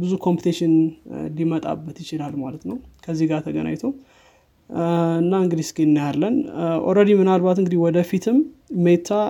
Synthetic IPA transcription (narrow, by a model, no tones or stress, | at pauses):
bɨzukʰo̞mpʰut̪ʰeʃɪnlimət̪ʼa̰bːət̪jɪt͡ʃɪlalmalət̪nəwkʰəzːihɡat̪ʰəɡə̰na̰ɲt̪ʰow | ɨnːaɨŋɡɨd̪iskʼenːjalːənʔo̰ɾəd̪imɨnalbat̪ɨŋɡɨd̪iwɔd̪əfit̪ʰɨmːet̪ʰːa